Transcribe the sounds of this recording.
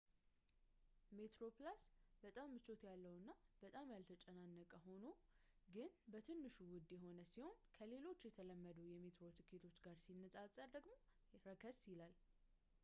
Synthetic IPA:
me̞t̪ɾo̞plasbət̪ʼamːɨt͡ʃo̞t̪jalːəwnːab̥ət̪ʼamjalt̪ʰət͡ʃʼənanːəkʼəho̞no | ɡɨnbət̪ʰɨnːɨʃuwʊd̪ːjɛɦo̞nəsiho̞nkʰəle̞lo̞t͡ʃːjɛt̪ʰələmːəd̪əwjɛme̞t̪ɾo̞t̪ʰɨkʰe̞t̪ʰo̞t͡ʃːɡaɾsinːəsʼasʼəɾd̪əɡmo̞ | ɾəkʰəsjɪlal

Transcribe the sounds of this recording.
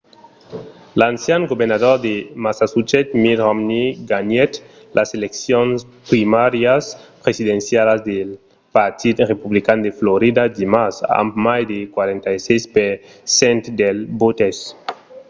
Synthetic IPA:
lansjanɡobeɾnaðoɾd̪emasasut͡ʃet̪miɾʁomniɡanɛt̪ | lʔaseleksjonspɾimaɾjaspɾesidensjalazd̪el | paɾt̪ʰid̪repuβlikand̪efloɾid̪ad̪imasa̰mbmajd̪ekwaɾent̪ajsejspeɾ | sɛnt̪d̪elbot̪es

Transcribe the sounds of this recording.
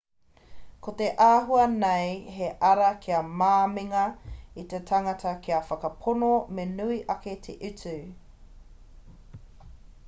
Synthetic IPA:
koteʔaːɦuɐnejɦeʔɐɾɐkʰiɐmaːmiŋɐit̪etʰɐŋɐtʰɐkʰiɐfɐkɐpʰonomenuiʔɐket̪ʰeʔʉt͡sʉ

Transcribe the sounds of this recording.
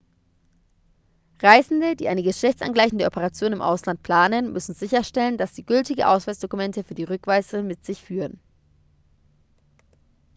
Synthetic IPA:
ʁaɪzn̩dədiːʔaɪnəɡəʃlɛçt͡sʔa̰nɡlaɪçn̩dəʔɔpʰəʁat͡sjoːnɪmʔa̰ʊslant̚pʰl̥aːnənmʏsn̩zɪçɐʃtɛlənd̥asz̥iːɡʏltɪɡʔaʊsfasd̥okumɛntəfyːɐdiːʁʏkv̥aɪsəmɪtz̥ɪçfyːʁən

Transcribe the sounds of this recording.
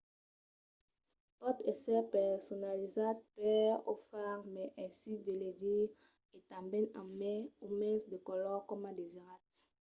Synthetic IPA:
pɔt̪ɛsɛpɛʁsɔnalizad̪̚pɛʁo̰faʁmɛʔɛ̃sid̪əledi | et̪ãmbɛ̃nãmɛumɛ̃sd̪əkɔlɔkɔmad̪eziʁat̪

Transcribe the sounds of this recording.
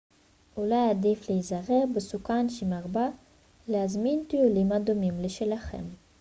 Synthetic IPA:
ʔulajad̪ifleizaʁebesukanʃimaʁba | leazmint̪iulimad̪omimleʃelaχḛm

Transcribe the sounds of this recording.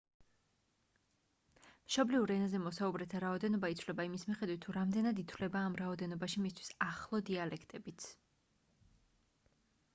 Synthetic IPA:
mʃɔbliuɾɛnazɛmɔsaubɾɛt̪ʰaɾaɔd̪ɛnɔbait̪sʰvlɛbaimismiχɛd̪wit̪ʰːuɾamd̪ɛnad̪it̪ʰwvlɛbaːmɾaɔd̪ɛnɔbaʃimist̪ʰwi̥saχlˠɔd̪ialɛkʰt̪ʼɛbit̪sʰ

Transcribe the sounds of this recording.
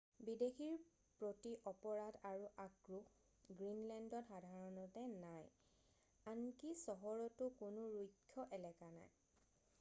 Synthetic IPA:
bidexiɹ | pɹotiʔɔpɔɹadaɹuʔakɹu | ɡɹinlɛndɔtxadʱaɹɔnɔtɛnaj | ankisɔɦɔɹɔtʊkʊnʊɹujkʰːjɔʔɛlɛkana̰j

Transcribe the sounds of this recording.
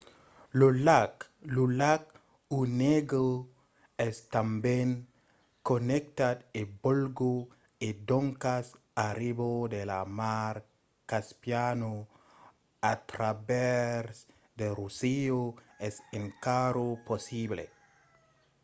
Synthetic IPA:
lolak | lulak̚ | uneɡɾo | ɛst̪ambẽŋ | konek̚t̪ad̪ebolɡo | ed̪oŋkas | aɾiβod̪elamaɾ | kaspjano | at̪ɾabeɾs | d̪erusio | ɛseŋkaɾoposiβlḛ

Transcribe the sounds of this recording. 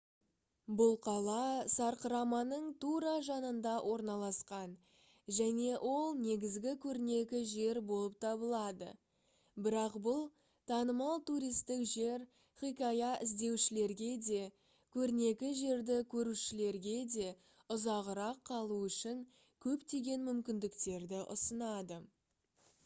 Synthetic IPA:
bʊlˠqʰɑlˠɑsɑɾqəɾɑmɑnəɴt̪ʰuɾɑʒɑnənd̪ɑwʔo̞ɾnɑlˠɑsqɑn | ʒæne̞ʔwʔo̞lˠne̞ɡʲɪzɡʲɪkʲʰɵɾne̞kʲɪʒe̞ɾbo̞lˠəp̚t̪ʰɑbəlˠɑd̪ə̰ | bɪɾɑqbʊlˠ | t̪ʰɑnəmɑlˠt̪uɾijst̪ɪkʒe̞ɾ | χikʲɑjɑʔɪzd̪e̞wʃɪle̞ɾɡʲe̞d̪e̞ | kʲʰɵɾne̞kʲɪʒe̞ɾd̪ɪkʲʰɵɾuʃɪle̞ɾɡʲe̞d̪e̞ | ʊzɑʁəɾɑqʰːɑlˠuʏʃɪŋ | kʲʰɵpt̪e̞ɡʲe̞nmʏmkʲɪnd̪ɪkt̪e̞ɾd̪ɪʔʊ̰sənɑd̪ə

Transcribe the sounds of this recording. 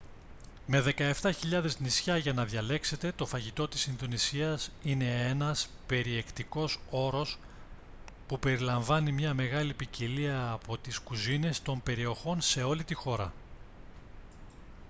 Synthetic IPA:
me̞ðe̞kɐe̞ft̪ɐçiʎɐðe̞znisçɐʝɐnɐðʝɐle̞kse̞t̪e̞t̪o̞fɐʝit̪o̞t̪isinðo̞nisiɐsine̞e̞nɐspe̞ɾie̞kt̪iko̞so̞ɾo̞s | pupe̞ɾilɐɱvɐnimɲɐme̞ɣɐlipiciliɐːpo̞t̪iskuzine̞st̪o̞mpe̞ɾio̞xo̞nse̞o̞lit̪ixo̞ɾɐ̰

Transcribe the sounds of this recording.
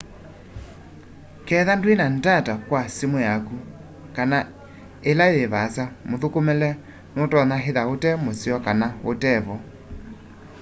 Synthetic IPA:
kɛðandwenandatakwasimojaku | kana | elaeβasamoðokomɛlɛ | notɔnaɦeðaotɛmosiɔkanaotɛβɔ

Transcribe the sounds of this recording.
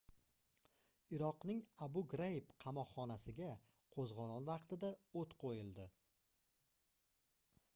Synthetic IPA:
ɪɾɒqnɪŋabʊɡɾajɪpqʰɑmɒqχɒnasɪɡʲa | qʰozʁɒnɒnvɑqt̪ʰɪd̪aot̪qʰojɪlˠd̪ɪ

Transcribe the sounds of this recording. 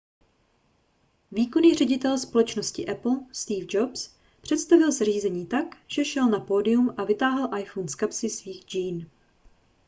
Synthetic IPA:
viːko̞niːrɛɟɪt̪ɛlspo̞lɛt͡ʃnoscɪʔɛpl̩st̪iːvd͡ʒops | pr̝̥ɛt̪st̪avɪlzar̝iːzɛɲiːt̪akʒ̥ɛʃɛlnapoːdɪjumʔavɪt̪aːɦɛlʔajfonskapsɪsviːxd͡ʒiːn

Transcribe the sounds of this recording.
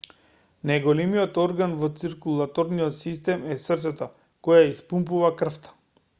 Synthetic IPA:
najɡɔlɛmiɔt̪ɔɾɡanvɔt̪siɾkulˠat̪ɔɾniɔt̪sist̪ɛmɛsrt̪sɛt̪a | kɔjaispumpuvakr̩ft̪ḁ

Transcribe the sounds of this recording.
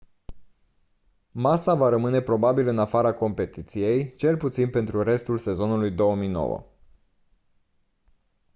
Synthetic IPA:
masavaɾəmɨne̞pɾo̞babilɨnafaɾako̞mpe̞t̪it̪sije̞jt͡ʃe̞lput̪sinpe̞nt̪ɾuɾe̞st̪ulse̞zo̞nulujd̪o̞wəmijno̞̰wə̰

